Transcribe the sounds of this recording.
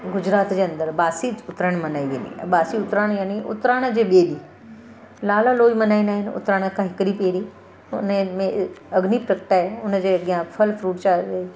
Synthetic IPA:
ɡʊd͡ʑɾaːt̪d͡ʑeːɐ̃nd̪əɾɓaːsiʊt̪ɾəɽ̃mɐnaːiʋḛːnḭ̃ɓaːsiʊt̪ɾaːɽ̃jaːniʔʊ̰t̪ɾaːɽ̃d͡ʑeːɓeːɗi | laːləloːimɐnaːinaːɦɪnɪ̆ʊ̰t̪ɾaːɽ̃kʰãːɦɪkɪɽipeːɽi | ʊnmẽɐɡnipɾəkʈaːɦeʊnəd͡ʑeːɠijãpʰɐlfʰɾuːʈt͡ɕaːe

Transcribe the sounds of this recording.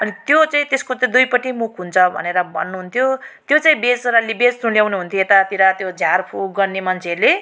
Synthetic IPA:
ʌnit̪jot͡saĩt̪eskot͡sãd̪ujpʌʈimukʰɦunt͡sʰʌbʱʌ̰neɾʌbʱʌ̰nːuɦunt̪ʰjot̪jot͡saĩbed͡zɾalibed͡zt̪ũljawnuɦunt̪ʰjoet̪at̪iɾat̪jod͡zʱjarpʰuɡʌrnemʌnt͡sʰele

